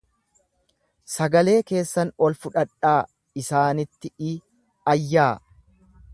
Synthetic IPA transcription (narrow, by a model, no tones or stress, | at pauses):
sɐɡɐle̞ːke̞ːsːɐnɔlfʊᶑɐᶑaː | ɪsaːnɪt̪ːɪɪ | ɐjːaː